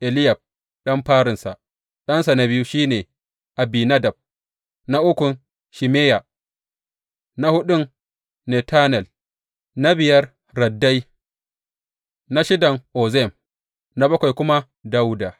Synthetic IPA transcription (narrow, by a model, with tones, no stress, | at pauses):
ʔɛ˨lɪ˦ja˨b̚ | ɗɐ˦mɸaː˦ɾɪ˨nsa̰˨ | ɗɐ˦nsa˨na˦bɪ˦ju˦ʃiː˦neː˨ | ʔa˨bi˨na˦dɐ˨b̚ | na˦ʔʊ˦kʷʊ˨n | ʃi˨meː˦ja˨ | na˦hʊ˦ɗʊ˦n | nɛ˨taː˦nɛ˨l | na˦bɪ˨jɐ˦r | ɾɐ˨dːa˦j | na˦ʃɪ˦dɐ˨ŋʔoː˨zɛ˦˨m | na˦bɐ˦kʷa˨jkʷʊ˦ma˦ | da˦wdaː˨